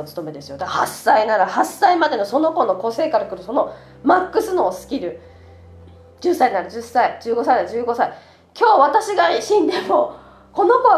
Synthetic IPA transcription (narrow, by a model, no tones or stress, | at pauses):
ot͡sɨ̥t̪o̞me̞d̪e̞sɨjo̞d̪aahasːainaɾahasaimad̪e̞no̞so̞no̞ko̞no̞ko̞se̞ːkaɾakɯ̟ɾɯ̟so̞no̞ | makːɯ̟sɨno̞ːsɨ̥kʲiɾɯ̟ | d͡ʑɨsːaiɲinaɾɯ̟d͡ʑɨsaid͡ʑɨːɡo̞sainaɯd͡ʑɨːɡo̞sai | kʲo̞ːβat̪aɕiɡaɕĩnd̪e̞mo̞ | ko̞no̞ko̞β